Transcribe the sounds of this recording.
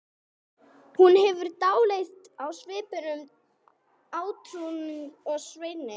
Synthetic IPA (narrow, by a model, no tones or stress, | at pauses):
hunhɛvʏɾ̥t̪aːwlejθt̪awsvɪːpɪɾʏm | aːwt̪ʰɾunʏɔɣsveːjnɪ